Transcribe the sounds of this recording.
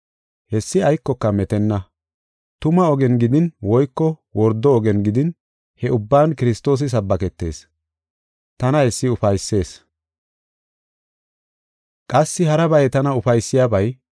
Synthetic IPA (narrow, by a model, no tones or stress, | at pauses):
hɛsːɪɐjkːɔkːɐmɛt̪ɛnːɐ | t̪ʊmɐɔɡɛnɡɪd̪ɪnwɔjkːɔwɔɾd̪ːɔːɡɛnɡɪd̪ɪn | hɛʔʊbːaːnkɪɾɪst̪o̞ːs̬ɪs̬ɐbːɐkɛt̪ːe̞̰ːs | t̪ɐnɐhɛsːɪʊfɐjsːe̞ːs | kʼɐsːɪhɐɾɐbɐjɛt̪ɐnɐʊfɐjsːɪjaːbɐj